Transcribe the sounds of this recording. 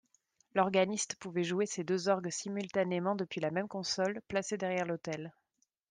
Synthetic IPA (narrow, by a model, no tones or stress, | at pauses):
lɔʁɡanist̪puvɛʒuesed̪øzɔʁɡsimylt̪anemɑ̃d̪əpɥilamɛmkɔ̃sɔlplased̪ɛʁjɛʁlot̪ɛl